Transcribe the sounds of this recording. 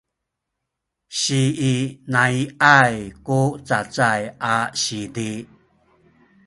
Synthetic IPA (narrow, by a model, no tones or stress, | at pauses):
ɕiːnaiʔajkut͡sat͡sajʔaɕidi